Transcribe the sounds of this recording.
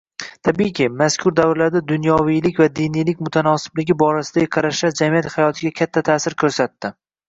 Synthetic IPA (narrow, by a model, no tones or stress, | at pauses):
t̪ʰabijkʲɪmaskʲʰʊɾd̪avɾɪlaɾd̪ad̪ʊnjɒwijlɪkʲvad̪inijlɪkʲmʊt̪ʰanɒsɪ̥blɪɡʲɪbɒɾasɪd̪ajqʰɑɾaʃlaɾd͡ʒamijat̪hajɒt̪ʰɪɡʲakʲʰat̪ʰːat̪ʰaːsɪɾkʲʰɵɾsat̪ːɪ